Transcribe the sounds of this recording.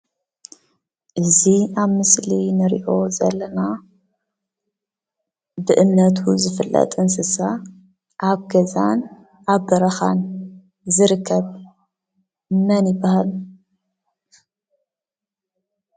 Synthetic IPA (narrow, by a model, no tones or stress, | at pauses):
ʔɨziaβmɨslinɨɾiʔo̞zɐ̰lːɐna | bɨʔɨmnɐt̪ʰuzɨfɨlːɐ̰t̪ʼɨnsɨsa | ʔaβɡɐzan | ʔaβbɐɾɐxa̰n | zɨɾɨkʰːɐβ | mɐnɪbahal